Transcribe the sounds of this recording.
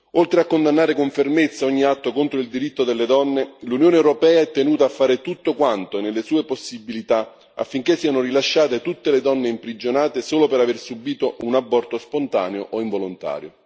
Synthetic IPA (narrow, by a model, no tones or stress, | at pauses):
olt̪ɾeakːond̪anːaːɾɪkoɱfermet̪sːaɔɲːiat̪ːokont̪ɾoild̪iɾit̪ːod̪elːed̪ɔnːelunjoːneɛwɾopɛːaɛt̪ːenuːt̪afːaːɾɪt̪ut̪ːokwant̪onelːesuːeposːibilit̪a | a̰fːiŋk̟esːiːanʊrilaʃːaːt̪et̪ut̪ːeled̪ɔnːeimpɾid͡ʒonaːt̪esoːlopeɾaversubiːt̪oʔunabːɔrt̪ospont̪a̰ːneoʔoiɱvolont̪a̰ːɾjo̰